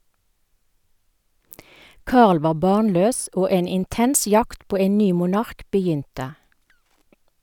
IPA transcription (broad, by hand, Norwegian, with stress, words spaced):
ˈkɑːʁl ˈʋɑː ˈbɑːnˌløːs ˈoː ˈeːn ɪnˈtɛns ˈjɑkt ˈpoː ˈeːn ˈnyː mʊˈnɑʁk bəˈjʏntə